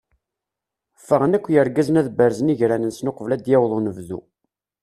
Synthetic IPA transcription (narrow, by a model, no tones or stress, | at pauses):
fːəʁənækʷːjəɾɡæznæðbəɾzəniʝɾænənsnoqvlæd̪jæwðˤonəvðṵ